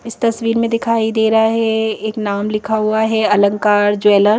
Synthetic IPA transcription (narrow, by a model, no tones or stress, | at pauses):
ɪst̪ɐsʋiːɾmẽd̪ɪkʰaːid̪eːɾɐɦaɦɛeːknaːmlɪkʰaɦuaɦɛɐlə̃ŋkaːɾd͡ʒɛːləɾ